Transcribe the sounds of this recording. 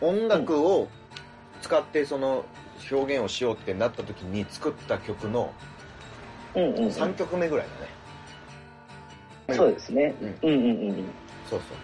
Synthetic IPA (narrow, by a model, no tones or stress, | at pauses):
õ̞ŋɡakɯ̟o | t͡sɨ̥kat̪ːe̞so̞no̞ | ço̞ːɡẽ̞ɰ̃o̞ɕijo̞ːt̪ːe̞nat̪ːat̪o̞kʲiɲ̟it͡sɨ̥kɯ̟t̪ːakʲo̞kɯ̟no̞̰ | ɯ̃ɴ̃ːɴsãŋkʲo̞kɯ̟me̞ɡɯ̟ɾa̰id̪a̰ne̞ | meoːd̪esɨneɯ̟̃ɴɯ̟̃ːɴɯ̃ːɴɯ̃ːɯ̃ | so̞ːso̞̰ː